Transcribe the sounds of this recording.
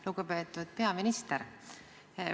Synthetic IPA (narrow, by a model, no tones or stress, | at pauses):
luɡupe̞ːt̪ːˑud̪̥̚pe̞ɑminist̪eɾ